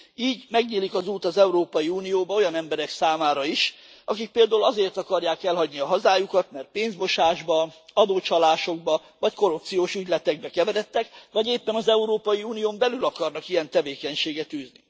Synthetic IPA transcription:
iːɟmɛɡɲiːlikɒzuːt̪ɒzɛuɾoːpɒjiuːnijoːbɒo̞jɒnɛmbɛɾɛksaːmaːɾɒiʃ | ɒkik̚peːld̪aːulɒzeːrt̪ɒkɒrjaːkɛlɦɒɟniɒɦɒzaːjukɒt̪mɛrt̪̚peːnzbo̞ʃaːʒbɒɒd̪oːt͡ʃɒlaːʃo̞ɡ̚bɒ | vɒcko̞ɾup̚t̪sijoːʃyɟlɛt̪ɛɡ̚bɛkɛvɛɾɛt̪ːɛkʋɒɟeːpːɛnɒzɛuɾoːpɒjiuːnijoːmbɛlylɒkɒrnɒkijɛnt̪ɛveːkɛɲʃeːɡɛt̪yːzni

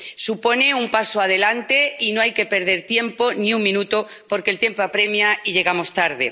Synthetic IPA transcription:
supo̞ne̞umpasoaðe̞lant̪e̞ino̞ajke̞pe̞ɾð̞e̞ɾt̪je̞mpo̞niuŋmĩnut̪opo̞ɾkelt̪je̞mpoapɾe̞mjaiʎe̞ɣamo̞st̪aɾðḛ

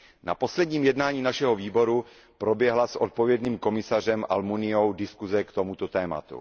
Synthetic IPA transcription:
na̰po̞slɛdɲiːmjɛdnaːɲiːnaʃɛɦoviːbo̞ɾu | pɾo̞bjɛɦlasʔo̞t̪̚povjɛdniːmko̞mɪsar̝ɛmʔa̰lmunɪowdɪskuzɛkt̪omut̪ot̪ɛːma̰t̪ṵ

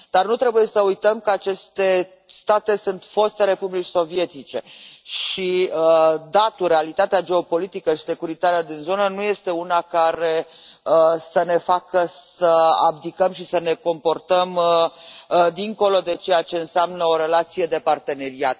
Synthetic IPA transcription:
d̪̥arnut̪ɾe̞buje̞səujt̪əmkəat͡ʃe̞st̪e̞ | st̪at̪e̞sunt̪fo̞st̪eɾe̞publit͡ʃso̞vie̞t̪it͡ʃe̞ʃiəd̪at̪urealit̪at̪ead͡ʒe̞o̞po̞lit̪ikəʃi̥se̞kuɾit̪aɾəd̪inzo̞nənuje̞st̪e̞unakaɾe̞əsəne̞fakəsəa̰b̚d̪ikəmʃisəne̞ko̞mpo̞rt̪əm | d̪iŋko̞lo̞d̪e̞t͡ʃe̞jat͡ʃe̞ɨnseamnəo̞ɾe̞lat̪sije̞d̪e̞part̪e̞ne̞ɾiat̪̚

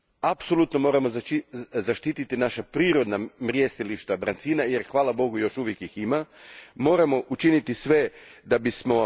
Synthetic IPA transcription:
apsolut̪no̞mo̞ːɾamozizaʃt̪iːt̪it̪inaʃapɾiːɾo̞d̪namɾjest̪iliʃt̪ad̪ɾant̪sinaje̞ɾxʋaːlˠabo̞ɡujo̞ʃuʋjekjiximamo̞ːɾamo̞ʔut͡ʃinit̪isʋe̞d̪abismo̞

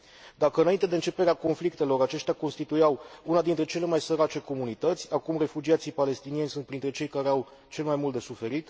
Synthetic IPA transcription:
d̪akəɨnaint̪e̞d̪e̞ɨnt͡ʃepe̞ɾeako̞nflikt̪e̞lo̞ɾat͡ʃe̞ʃt̪ʲako̞nst̪it̪ujawunad̪int̪ɾe̞t͡ʃe̞le̞majsəɾat͡ʃe̞ko̞munit̪ət̪sʲakumre̞fud͡ʒiat̪sijpale̞st̪inie̞nʲsunt̪̚pɾint̪ɾe̞t͡ʃe̞jkaɾeaw | t͡ʃe̞lemajmult̪d̪esufe̞ɾit̪

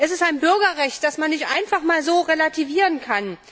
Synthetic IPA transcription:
ʔɛsɪstaɪnbʏɐɡɐʁɛçt̚d̥asmanːɪçtʔa̰ɪnfaχmaːlzoːʁelatʰiviːʁənkʰan

